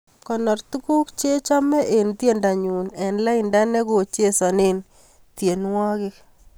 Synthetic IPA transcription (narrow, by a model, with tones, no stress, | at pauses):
kɔ˨nɔ˨rt̪u˦ku˦kt͡ʃe˦t͡ʃɔ˦mɛ˦ʔe˨nt̪je˦˨nda˨ɲu˨nɛ˨nla˦ɪ˨nda˦nɛ˦ko˨t͡ʃje˦sɔ˨ne˦n | t̪je˨nwɔ˦kɪ˦k